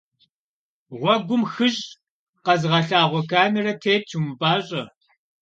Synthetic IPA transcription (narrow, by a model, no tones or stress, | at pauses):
ʁʷɔɡʷʊmxɨʑʼ | qɐzʁɐɬaːʁʷɔkʰaːmɛrɐtʰeːt̚t͡ʃʰumɨpʼaːɕʼɐ